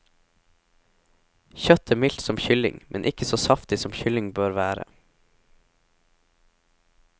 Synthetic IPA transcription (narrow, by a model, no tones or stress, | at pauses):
çœt̪ʰæːmɪlt̪sɔmçʏlɪ̰ŋmʔɛnʔɪkəsoːsɑft̪ɪsɔmçʏlɪŋbøːɾʋæːɾə̰